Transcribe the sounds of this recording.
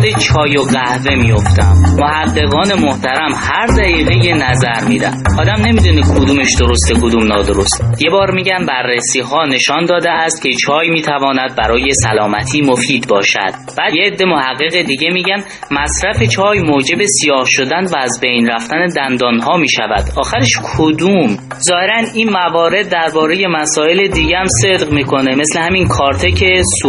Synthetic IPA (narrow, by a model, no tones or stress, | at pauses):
d̪et͡ʃʰɒːjoɢæhve̞mijo̞ft̪æmːohæɢːe̞ɣɒːne̞moht̪ʰæɾæmhæɾd̪æiːɣeje̞næzæɾmiːd̪æ̰nʔɒːd̪æmne̞miːd̪unikʰod̪uːme̞ʃd̪oɾost̪ekʰod̪umnɒːd̪o̞ɾost̪je̞bɒːɾmiːɟænbærːesiːɦɒːne̞ʃɒnd̪ɒːd̪eæst̪̚cʲʰe̞t͡ʃʰɒːjmiːt̪ʰævɒːnæd̪̚bæɾɒːje̞sælɒːmæt̪ʰiːmo̞fiːd̪bɒːʃæ̰d̪̥b̥æd̪jeːd̪ːe̞mo̞hæɣːeɣed̪iɟe̞miːɟæn | mæsɾæfet͡ʃʰɒːjmoːd͡ʒe̞be̞sijɒːhʃo̞d̪ænvæːzbejnræft̪æned̪ænd̪ɒːnɦɒːmiːʃæ̰væ̰d̪̥ɒːxæɾeʃkʰod̪um | zɒːhe̞ɾæniːnmævɒːɾe̞d̪̚ːæɾbɒːɾe̞je̞mæsɒːe̞led̪iːɟehæmse̞d̪ʁmiːkʰo̞ne̞me̞slehæminkʰɒːɾt̪ʰe̞cʰe̞su